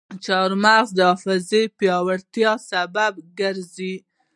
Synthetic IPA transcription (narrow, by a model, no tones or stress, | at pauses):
t͡ʃɑɾmaɣd̪əɑfɪzepjɑwaɽt̪jɑsabab̚ɡəɾzi